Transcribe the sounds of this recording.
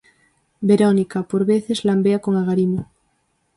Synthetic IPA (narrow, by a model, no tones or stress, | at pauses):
beɾonikapoɾβeθezlambeakoŋaɣaɾimo